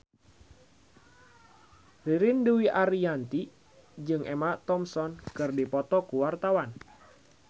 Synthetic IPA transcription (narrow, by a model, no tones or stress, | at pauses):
riɾɪnduwiʔaɾiant̪i | d͡ʒɨŋʔɛmat̪ɔmsɔnkɨrdipɔt̪ɔkuwart̪awan